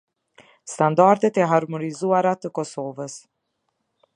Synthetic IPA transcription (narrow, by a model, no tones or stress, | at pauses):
st̪and̪aɾt̪ɛt̪ɛɦaɾmɔnizuaɾat̪əkɔsɔvəs